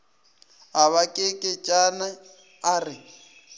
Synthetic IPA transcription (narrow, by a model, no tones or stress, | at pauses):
aβakʼɪkʼɪt͡ʃʼanaː | rɪ